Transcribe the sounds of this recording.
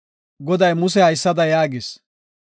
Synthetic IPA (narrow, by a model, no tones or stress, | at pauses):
ɡɔd̪ɐjmʊs̬ɛhɐjsːɐd̪ɐjaːɡɪs